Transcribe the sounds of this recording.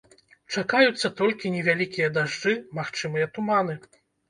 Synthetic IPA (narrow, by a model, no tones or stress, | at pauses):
t͡ʂakajut̪sːɐt̪ɔlʲkʲinʲɛvʲalʲikʲijɐd̪aʐd͡ʐɨmaxt͡ʂɨmɨjɐt̪umanɨ